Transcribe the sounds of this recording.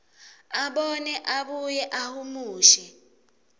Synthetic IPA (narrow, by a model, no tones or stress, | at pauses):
aɓɔnɛʔaɓujɛʔahumuːʃɛ